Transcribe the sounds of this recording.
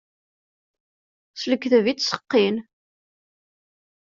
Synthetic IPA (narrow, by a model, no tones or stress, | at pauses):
sləkːθəvit͡sːsə̥qːin